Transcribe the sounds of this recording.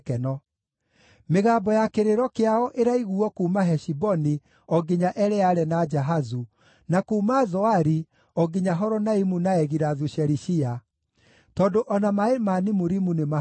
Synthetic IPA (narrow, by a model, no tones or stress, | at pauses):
kɛnɔ | meɣaːbɔjakeɾeɾɔkeaɔʔeɾaiɣuɔkuːmaɦɛʃibɔni | ɔɡeɲaʔɛɾɛaɾɛnad͡ʒaɦazu | nakuːmazɔaɾi | ɔɡeɲaɦɔɾɔnaimunaɛɣiɾaðuɕɛɾiʃia | tɔːdoʔɔnamaemanimoɾimunema